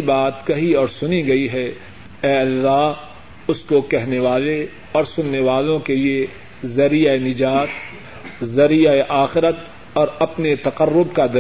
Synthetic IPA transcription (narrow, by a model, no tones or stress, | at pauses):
baːt̪kɐɦiɔːɾsʊniɡɐiɦɛ | ɛːɐlːaː | ʊskokɛɦneʋaːle | ɔːɾsʊnːeʋaːlõkelie | zɐɾijaenɪd͡ʒaːt̪ | zɐɾijaeʔaːxɪɾət̪ | ɔːɾɐpnet̪ɐqəɾːʊb̚kad̪ɐ